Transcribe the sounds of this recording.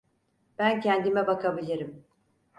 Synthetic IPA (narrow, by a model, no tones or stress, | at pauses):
b̥æncʰænd̪imɛbakʰabilʲiɾim